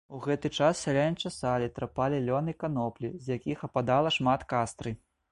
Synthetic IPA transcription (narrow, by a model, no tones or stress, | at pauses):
uɣɛt̪ɨt͡ʂassʲalʲanʲt͡ʂɐsalʲit̪ɾapalʲilʲɔnɨkanɔplʲizʲjakʲixɐpad̪alˠɐʂmat̪kast̪ɾɨ